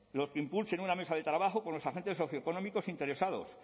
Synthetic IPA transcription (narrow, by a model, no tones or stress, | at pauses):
lo̞skeimpulse̞nuname̞saðet̪ɾaβaxoko̞nlo̞saxe̞nt̪e̞sːo̞θjoko̞nomiko̞sint̪e̞ɾe̞sað̞o̞̰s